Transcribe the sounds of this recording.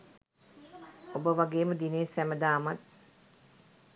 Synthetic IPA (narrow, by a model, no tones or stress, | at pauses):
obəʋaɡeːməd̪ineːsæməd̪aːmat̪̚